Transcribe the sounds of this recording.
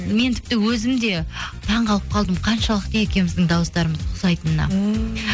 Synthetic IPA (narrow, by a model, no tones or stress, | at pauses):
me̞nt̪ʰɪp̚t̪ɪwɵzɪmd̪e̞t̪ʰɑɴʁɑlˠəp̚qʰɑlˠd̪əmqʰɑnʃɑlˠəq̚t̪eje̞kʲe̞mɪzd̪ɪŋd̪ɑwəsd̪ɑɾəməzqʰʊsɑjt̪ənənɑ̰